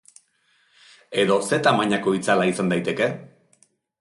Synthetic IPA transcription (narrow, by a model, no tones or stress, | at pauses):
e̞ðo̞se̞t̪amaɲako̞it͡salaisand̪ajt̪e̞ke̞